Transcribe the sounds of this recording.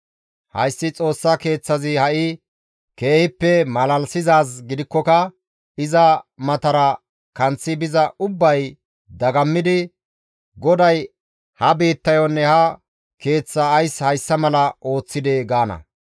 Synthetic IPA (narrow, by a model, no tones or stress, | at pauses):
hɐ̰jsːɪt͡sʼo̞ːsːɐke̞ːt͡sːɐzɪhɐʔɪ | ke̞ːhɪpːɛmɐlɐlsɪzaːs̬ɡɪd̪ɪkːɔkɐ | ɪzɐmɐt̪ɐɾɐ | kɐnt͡sːɪbɪzɐʔʊbːɐj | d̪ɐɡɐmːɪd̪ɪ | ɡɔd̪ɐj | hɐbiːt̪ːɐjɔnːɛhɐ | ke̞ːt͡sːɐːjshɐjsːɐmɐlɐo̞ːt͡sːɪd̪eɡaːnɐ̰